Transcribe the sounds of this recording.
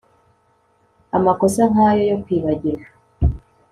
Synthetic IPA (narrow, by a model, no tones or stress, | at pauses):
amako̞saŋajo̞jo̞kwiːβaɟiɾa